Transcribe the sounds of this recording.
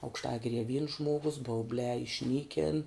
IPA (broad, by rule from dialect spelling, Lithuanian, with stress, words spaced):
ɐʊkʃˈtɑːɡʲɪrʲiɛ ʋʲiːns ˈʒmuɔɡʊs bɐʊˈbʲlʲæː ɪʃʲˈnʲiːkʲɪn